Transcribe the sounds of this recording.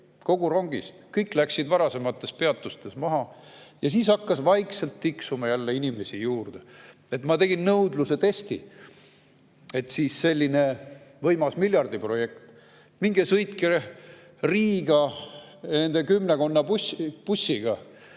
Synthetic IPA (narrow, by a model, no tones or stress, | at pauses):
ko̞ɡuɾo̞ŋɡ̥ist̪kɤjklæksid̪vɑɾɑse̞mɑt̪ːˑe̞spe̞ɑt̪ːˑust̪e̞smɑɦɑjɑs̬iːsɑkːɑsvɑjkselt̪ːiksumɑjælːeinʲime̞sʲijuːrd̪̥e | et̪mɑt̪e̞ɡ̥inːɤwd̪luse̞t̪e̞st̪ḭ | e̞t̪siːsse̞lʲːinevɤjmɑsmilʲjɑrd̪ipro̞je̞kt̪ | miŋɡ̥esɤjt̪keɾ | riːɡ̥ɑ | ne̞nd̪̥ekymneko̞nːɑpupusʲːiɡ̥ɑ